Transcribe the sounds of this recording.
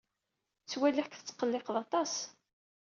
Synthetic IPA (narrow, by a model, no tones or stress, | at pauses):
t͡sːwælːiħkθət͡sːqːəlːeqðɑt̪ˤɑs